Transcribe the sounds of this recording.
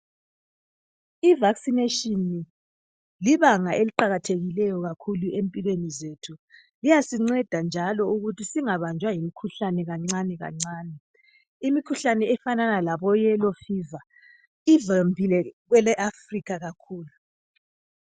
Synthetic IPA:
ivaksineʃini | liβaŋaʔeliǃaɣatʰeɣilɛjɔɣakʰuluʔempʼilwenizetʰu | lijasiŋ͡ǀɛd̥ʱand͡ʒʱalɔuɣutʰisiŋaβand͡ʒʱwajimikʰuɬanɛɣaŋ͡ǀanɛɣa̰ŋ͡ǀaːnɛ | imikʰuɬanɛɛfananalaβɔjɛlɔfiːva | ivambʱilɛɣwɛlɛʔafrikʰaɣakʰuːlu

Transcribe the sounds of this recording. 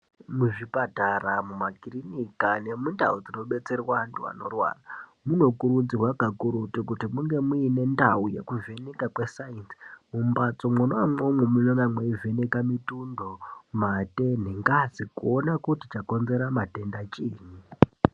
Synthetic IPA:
muʐipataramumakirinikane̞mundaud͡zino̞ɓe̞t͡se̞rwantua̰no̞̰rwa̰ːramuno̞kuɾud͡zirwakakuɾutikutimuŋɡe̞muine̞ndauje̞̰kuve̞nekakwe̞sainsmumbat͡somwonoamomwemunonamweive̞nekamitundo̞mate̞neŋɡazikuonakutit͡ʃako̞nze̞ɾamate̞ndat͡ʃiːɲi

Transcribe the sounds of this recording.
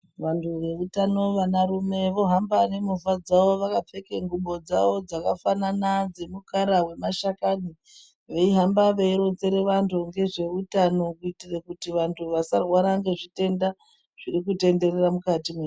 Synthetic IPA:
ʋantʰuʋe̞utano̞ʋanaɾume̞ʋo̞ɦambane̞muvad͡zaʋo̞ʋakap͡fe̞keŋɡuɓo̞d͡za̰ʋo̞d͡zakafananad͡ze̞mukaɾawe̞maʃakaɗi | ʋeiɦambaʋeiɾont͡se̞ɾe̞ʋantʰuŋɡe̞ʐe̞utano̞kuitirekutiʋantʰuʋasarwaɾaŋɡe̞ʐite̞nda | ʐ̥irik̬ute̞nde̞reramukatime

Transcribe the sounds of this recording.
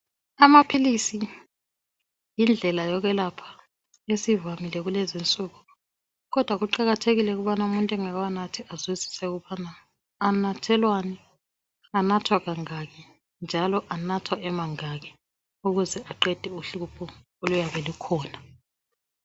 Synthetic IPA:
amapʰilisi | jind͡ɮʱɛlajɔɣɛlapʰḁ | esivamilɛɣulezint͡sʼuːɣu | ɣɔd̥ʱwaɣuǃaɣatʰeɣilɛɣuβanaumuntʼɛŋaɣwanatʰiazwizi̥sɛɣuβana | anatʰɛlwanɛ | anatʰwaɣaŋaɣɛ | nd͡ʒʱalɔʔanatʰwaʔɛmaŋaɣɛ | uɣuzɛʔaǃɛd̥ʱɛuɬupʰɔ | olujaβɛlukʰɔːna

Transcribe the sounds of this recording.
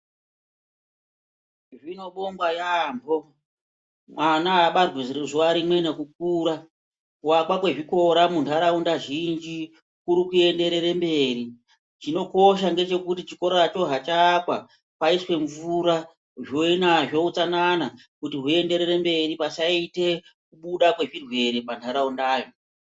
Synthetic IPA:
ʐino̞ɓo̞mɡwajaːmbʱo̞ | mwanaɓarwireʐoaɾimwe̞nekuk̚uːɾa | kuwakwakwe̞ʐiko̞ɾamuntuaɾaundaʒind͡ʒi | kuɾikue̞nde̞ɾe̞rembe̞ri | t͡ʃino̞ko̞ʃ̬aŋɡe̞t͡ʃe̞kutit͡ʃiko̞ɾoat͡ʃo̞ɦat͡ʃakwa | paiswe̞ɱvuɾa | ʐoinaʐo̞ut͡sanana | kutiɦue̞nde̞ɾe̞ɾembe̞ripasaite̞ | kuɓuɗakwe̞ʐirwe̞ɾepantʰaɾaundaːjo̞

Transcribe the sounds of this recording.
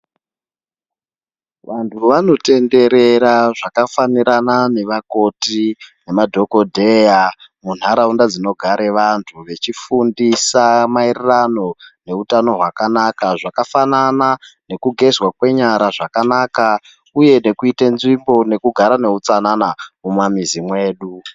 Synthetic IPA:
ʋantʰuʋano̞te̞nde̞ɾe̞ɾaʐakafaniɾanane̞ʋako̞tine̞madʱo̞ko̞dʱe̞jamun̤aɾaundad͡zino̞ɡʱaɾe̞ʋantʰuʋe̞t͡ʃifundisamairirano̞ne̞utano̞ɦwakanakaʐakafananane̞kuɡʱe̞zwakwe̞ɲaɾaʐakanaːka | uje̞ne̞kuitenzimbo̞ne̞kuɡʱaɾane̞ut͡sananamumamizimwe̞ːɗu

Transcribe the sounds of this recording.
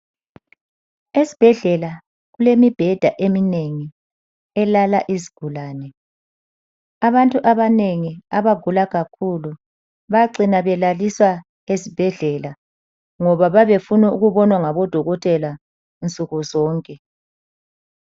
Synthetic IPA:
ezi̥b̥ʱɛɮɛla | ɣulemib̥ʱɛd̥ʱaʔemineŋi | ɛlalaʔiziɡ̥ʱulaːnɛ | aβantʼuʔaβaneŋiaβaɡ̥ʱulaɣakʰulu | βaǀinaβɛlaliswa | esib̥ʱɛɮɛla | ŋɔβaβaβefunuuɣuβɔnwaŋaβɔd̥ʱɔɣɔtʼɛla | nt͡sʼuɣuzɔːŋkʼɛ

